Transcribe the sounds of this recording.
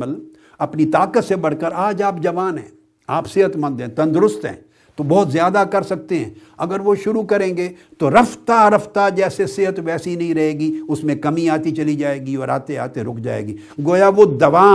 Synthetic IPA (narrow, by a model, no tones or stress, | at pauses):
əl | ɐpnit̪aːkət̪sebɐɽ̤kəɾaːd͡ʒaːp̚d͡ʒɐʋaːnɦɛ̰̃ː | aːpsɪɦət̪mɐ̃nd̪ɦɛ̃t̪ɐ̃nd̪ɾʊst̪ɦɛ̰̃ː | t̪obɔːt̪zjaːd̪akɐɾsɐk̚t̪eɦɛ̃ɐɡəɾʋoʃʊɾukɐɾẽːŋɡeːt̪oɾɐft̪aɾɐft̪ad͡ʒɛːsesɪɦət̪ʋɛːsinɐɦĩɾɐɦeːɡiʊsmẽkɐmĩaːt̪it͡ʃɐlid͡ʒaːeːɡiɔːɾa̰ːt̪ea̰ːt̪eɾʊkʰd͡ʒa̰ːḛːɡiː | ɡoːjaʋod̪ɐʋaː